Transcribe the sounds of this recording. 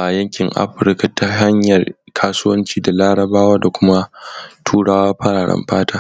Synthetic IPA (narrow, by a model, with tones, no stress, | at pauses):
ʔa˨jɐ˦ŋkʲɪ˨ŋʔa̰˦ɸɪ˨ɾka˨ta˦ɦa˦ɲjɐ˨rkʰaː˦sʊ˦wɐ˦nt͡ʃiː˦da˨laː˦ɽɐ˨baː˦waː˦da˨kʷʊ˦ma˦tʰuː˦ɽaː˦waː˦ɸɐ˦ɽaː˨ɽɐ̰˦mɸaː˦taː˦